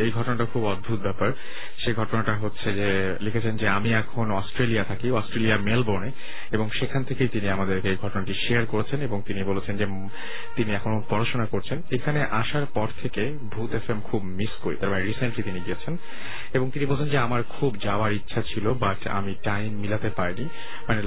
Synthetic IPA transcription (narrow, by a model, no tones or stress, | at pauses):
ejɡʱɔʈonaʈakʰubɔd̪̚bʱut̪̚bɛpaɾ | ʃeɡʱɔʈonaʈaɦotːɕʰed͡ʑe | likʰet͡ɕʰend͡ʑeamiɛkʰonɔsʈɾeliat̪ʰakiɔsʈɾeliamelboɾne | eboŋʃekʰant̪ʰekejt̪iniamad̪eɾkeejɡʱɔʈonaʈiʃeaɾkoɾet͡ɕʰeneboŋt̪inibolet͡ɕʰend͡ʑe | t̪iniɛkʰonot̚pɔɾaʃonakoɾt͡ɕʰenekʰaneʔaʃaɾpɔɾt̪ʰeke | bʱut̪efemkʰubmiskoḭt̪aɾmaneɾiseɳʈɾit̪iniɡiet͡ɕʰen | eboŋt̪inibolt͡ɕʰend͡ʑeamaɾkʰubd͡ʑaoaɾitːɕʰat͡ɕʰilobaʈa̰miʈajmːilat̪epaɾni | mane